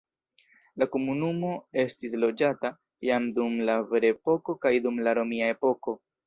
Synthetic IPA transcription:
lakomunumo̞e̞stis̬lo̞d͡ʒata | jamdumlave̞ɾepo̞ko̞kajdumlaɾo̞miae̞po̞ko̞

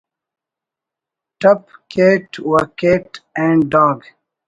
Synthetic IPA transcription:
ʈʌpkʰeːʈwəkeːʈɛ̃ɳɖɖɔːɡ

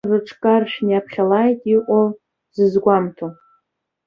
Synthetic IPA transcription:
rɨʈ͡ʂʰkʼarʃᶣniapʰχʲalajtʼiʔʷʼo | z̥ɨzɡʷamtʰo

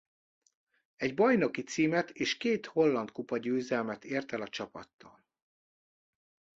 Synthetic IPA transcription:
ɛɟbɒjno̞kit̪siːmɛt̪eːʃkeːt̪ho̞lːɒnt̪kupɒɟøːzɛlmɛt̪eːrt̪ɛlɒt͡ʃɒpɒ̰t̪ːɒ̰ːl

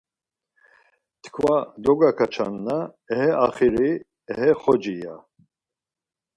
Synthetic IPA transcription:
t̪ʰkʰvad̪ɔɡakʰat͡ʃʰa̰nːa | ɛɦɛaχiɾi | ɛɦɛχɔd͡ʒija

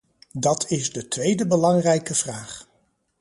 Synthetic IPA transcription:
dɑtʰɪzdətʋejdəbəlɑŋrɛjkəv̥raːχ

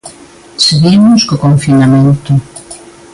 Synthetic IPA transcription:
seɣimʊskokoɱfinamẽnt̪ʊ

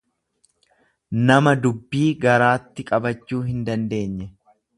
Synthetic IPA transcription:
nɐmɐd̪ʊbːiːɡɐɾaːt̪ːɪkʼɐbɐt͡ʃːuːɦɪnd̪ɐnd̪e̞ːɲːɛ

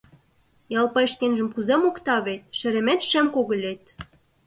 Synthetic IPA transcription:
jɑlˠpɑeʃkenʒə̆mkuzemokt̪ɑβet̪̚ʃɘ̆ɾĕmet̪ʃĕmkoɣə̆lʲet̪̚

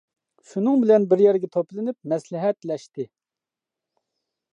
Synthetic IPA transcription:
ʃunɨŋbɪlɛnbɪɾjɛɾɡʲɛt̪ʰoplˠɨnyp̚mɛslɪɦɛt̪lɛʃt̪ɪ

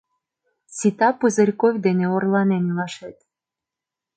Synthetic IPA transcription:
sʲit̪ɑpɨzə̆ɾʲkovʲd̪eneorlˠɑnenlɑʃet̪

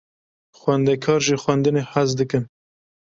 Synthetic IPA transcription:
xwɛnd̪ɛkʰɑːɾʒiːxwɛnd̪ɨneːħazd̪ɨkɨn

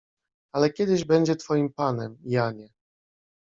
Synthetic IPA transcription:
alɛkʲɛd̪ɘʑbɛɲd͡ʑɛt̪fɔjimpanɛmjaɲɛ

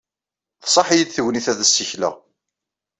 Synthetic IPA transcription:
θsˤɑħijid̪θəwniθæðæsːiçlæ̰ʁ

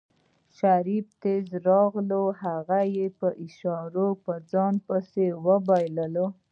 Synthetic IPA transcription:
ʃaɾib̚t̪ezɾɑɣlohaɣajepəʔɪʃɑɾopəd͡zɑnpəsewəbajləlo

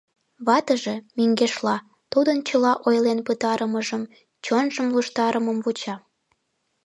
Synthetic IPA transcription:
βɑt̪əʒe̽myŋɡeʃlɑ | t̪ud̪ənt͡ɕəlɑʔojlenpət̪ɑɾəməʒəm | t͡ɕonʒəmluʃt̪ɑɾəməmβut͡ɕɑ

